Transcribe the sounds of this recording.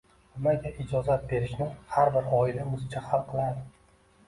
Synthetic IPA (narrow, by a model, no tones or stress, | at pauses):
nɪmaɡʲaʔɪd͡ʒɒzat̪̚be̞ɾɪʃnɪhaɾbɪɾɒɪlamʊzɪt͡ʃʰahalˠqʰɨlˠad̪ɪ